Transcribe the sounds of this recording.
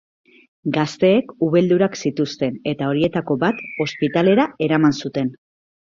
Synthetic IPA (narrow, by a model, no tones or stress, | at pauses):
ɡast̪e̞ːkuβe̞ld̪uɾaksit̪ust̪e̞ne̞t̪ao̞ɾie̞t̪ako̞bat̪o̞spit̪ale̞ɾae̞ɾamansut̪e̞n